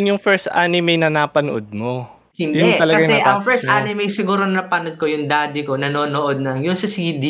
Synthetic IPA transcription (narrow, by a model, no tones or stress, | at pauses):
njʊŋfɛɹst̪ʔa̰nɪmɛjnɐnaːpɐnoʔod̪̚mo | hɪndjʊɛŋɐlɐɡkɐasjɛɐʔɐŋfɛɹst̪ʔanɪmɛjsɪɡuːɾonɐnɐpɐnod̪̚kojʊŋd̪aːd̪ɪko̞nɐnoːnoʔod̪̚nɐŋjʊŋsɐsid̪i